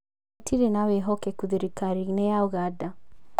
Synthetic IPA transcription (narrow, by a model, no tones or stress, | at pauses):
tʰiɾenawɛɦɔkɛkuðiɾikaɾinɛjauɣada